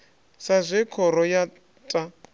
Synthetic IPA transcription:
sazʷɛkʰɔɾɔja | tʼa

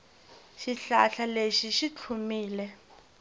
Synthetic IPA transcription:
ʃiɬaɬaleʃiʃit͡ɬʰumiːlɛ

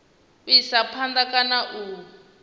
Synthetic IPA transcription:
isapʰandakanaʔuː

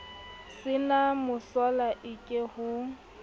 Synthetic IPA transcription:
sɪnamʊsɔlaʔɪkʼehʊ

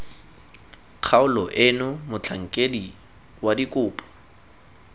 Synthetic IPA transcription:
q͡χʰaʊlɔʔɪnʊmʊt͡ɬʰaŋ̩kʼedi | wadikʼʊːpʼɔ̥

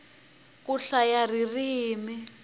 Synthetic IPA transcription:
kuɬajaririɦiːmi

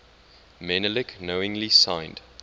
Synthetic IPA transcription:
mɛnəlɪknoʊɪ̃ŋlisãɪ̃nd̥

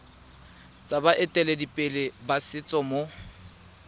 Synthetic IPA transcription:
t͡sʼabaʔɪtʼɛledipʼɪlɪbasɪt͡sʼɔmo

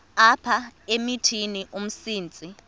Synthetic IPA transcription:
apʰaemitʰiniʔum̩siːnt͡sʼi

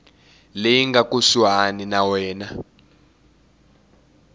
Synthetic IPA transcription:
lejiŋɡakʼuswaninawɛːna

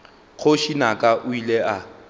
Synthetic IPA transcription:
k͡xʰoʃinakʼaʔʊileʔa

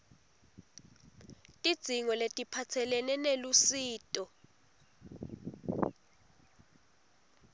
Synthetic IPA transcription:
tʼid̥z̥ʱiŋɔletʼipʰat͡sʰɛlɛnɛnelusiːtʼɔ

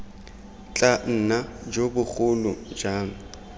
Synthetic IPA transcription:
t͡ɬʼan̩ːnad͡ʒobʊχʰʊlʊd͡ʒaːŋ̩

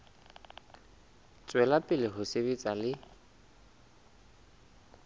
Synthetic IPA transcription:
t͡sʼwɛlapʼɪlɪɦʊseβet͡sʼalɪ

